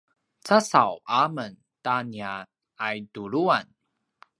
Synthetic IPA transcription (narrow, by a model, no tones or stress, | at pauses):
t͡sasawʔamən | tania | ajduɾuan